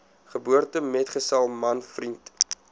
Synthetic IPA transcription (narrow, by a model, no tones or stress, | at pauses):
χəbuərtəmɛtχəsɛlˠmɐnfrint